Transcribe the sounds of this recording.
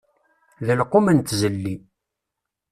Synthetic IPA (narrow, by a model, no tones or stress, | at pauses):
ðəlqːomənt̪zəlːi